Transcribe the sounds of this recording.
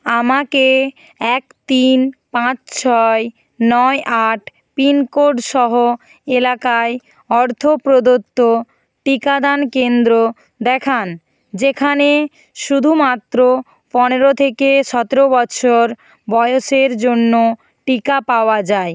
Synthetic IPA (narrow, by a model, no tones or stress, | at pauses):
amake | ɛkt̪inpãt͡ɕt͡ɕʰɔe | nɔeʔaʈʰ | pinkoɖʃɔɦo | elakae | ɔɾt̪ʰopɾod̪ot̪ːo | ʈikad̪ankend̪ɾo | d̪ɛkʰan | d͡ʑekʰane | ʃud̪ʱumat̪ːɾo | pɔneɾot̪ʰekeʃɔt̪eɾobɔt͡ɕʰoɾ | bɔeoʃeɾd͡ʑonːo | ʈikapaoad͡ʑae